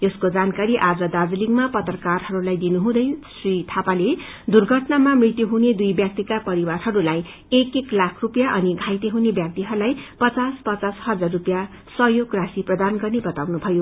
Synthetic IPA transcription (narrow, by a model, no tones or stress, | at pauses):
ʌskod͡zankaɾiʔad͡zʌd̪ad͡zliŋmapʌt̪rʌkarɦʌɾulajd̪inuɦũd̪ʌjsrit̪ʰapale | d̪urɡʱʌʈnamamrit̪juɦuned̪ujbjak̚t̪ikapʌɾiwarɦʌɾulaj | ekeklakʰrupjaʔʌniɡʱajt̪eɦunebjak̚t̪iɦʌɾulajpʌt͡saspʌt͡sashʌd͡zarːupja | sʌɦjoɡrasiprʌd̪anɡʌrnebʌt̪awnubʱʌjo